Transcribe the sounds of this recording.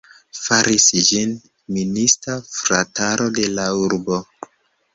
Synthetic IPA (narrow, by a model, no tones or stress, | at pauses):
faɾʔisd͡ʒin | ministafɾataɾʔo̞de̞lauɾbo̞